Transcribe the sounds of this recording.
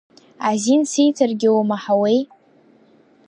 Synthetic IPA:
azinsijtʰarɡʲɪwomaħawej

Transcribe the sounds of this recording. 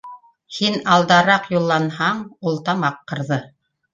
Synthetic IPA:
hinɑlˠd̪ɑɾɑqjulˠːɑnhɑɴulˠt̪ɑmɑqːɤ̆ɾðɤ

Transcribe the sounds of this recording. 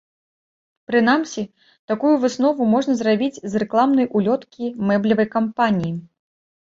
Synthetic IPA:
pɾɨnamsʲi | t̪akujuvɨsnɔvumɔʐnɐzrabʲid͡zʲzrɛklˠamnɐjʔulʲɔt̪kʲimɛblʲɐvɐjkampanʲiji

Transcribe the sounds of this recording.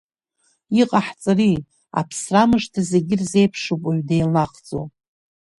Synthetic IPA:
iqʼaħt͡sʼari | a̰pʰsramɨʂtʰazeɡʲɪrze̞jpʰʂopʼaɥdejlaχd͡zʼo̰

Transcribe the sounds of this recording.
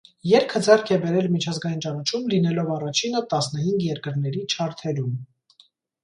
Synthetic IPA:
jɛɾkʰəd͡zɛrkʰɛbɛɾɛlmit͡ʃʰɑzɡɑjint͡ʃɑnɑt͡ʃʰumlin̪ɛlɔvɑrɑt͡ʃʰinət̪ɑsn̪əhiŋɡjɛɾkəɾn̪ɛɾit͡ʃʰɑɾt̪ʰɛɾum

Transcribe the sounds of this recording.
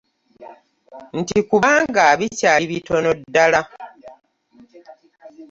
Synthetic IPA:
n̩tikuβaːŋɡaːβicaiβito̞nodːala

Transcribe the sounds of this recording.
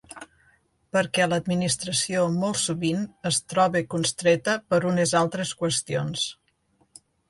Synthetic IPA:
pəɾkɛləd̪minist̪ɾəsiomolˠsuβinəst̪ɾɔβekunst̪ɾet̪əpəɾunezalˠt̪ɾeskwəst̪ions

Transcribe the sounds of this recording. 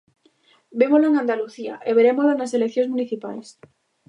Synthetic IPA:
bemolaeŋãnd̪aluθia̰ʔeβeɾemolanaselek̚θjõŋzmũniθipa̰js

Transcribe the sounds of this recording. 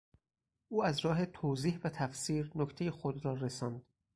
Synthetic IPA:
ʔuːæzɾɒːɦet̪ʰoːziːhvæt̪ʰæfsiːɾnokt̪ʰe̞jexod̪ɾɒːɾesɒːnd̪̥

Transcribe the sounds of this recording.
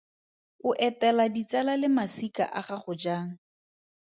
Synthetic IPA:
ʊʔɛtɛladit͡sɛlalɪmasika̰ʔaχaχʊd͡ʒaːŋ̩

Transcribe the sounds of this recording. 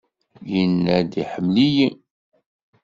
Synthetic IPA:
jənːæd̪iħəmliji

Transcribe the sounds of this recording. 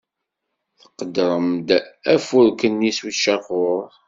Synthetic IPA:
θəqːəd̪ɾˤəmd̪æfʊɾkənːiswiʃɑvʊɾˤ

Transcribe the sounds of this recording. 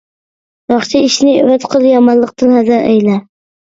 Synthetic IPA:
jɒχt͡ʃʰaɪʃnɪvat̪qʰɨlˠjɑmɑnlˠɨq̚t̪ɪnhazaɾa̰jla

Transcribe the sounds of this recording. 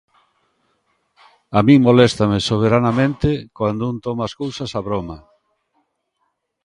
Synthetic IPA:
amĩŋmolest̪amesoβ̞eɾanamẽnt̪ɪkwand̪ount̪ɔmaskowsasaβɾoma

